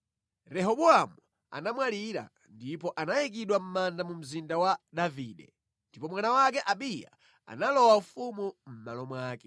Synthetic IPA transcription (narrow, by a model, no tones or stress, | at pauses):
ɾɛɦɔɓuamu | a̰namwaliɾa̰ | ndipɔʔanajik̬iɗwam̩mandamum̩zindawaɗaviːɗɛ | ndipɔmwanawakɛʔaɓija̰ | a̰nalɔwafumum̩malɔmwaːkɛ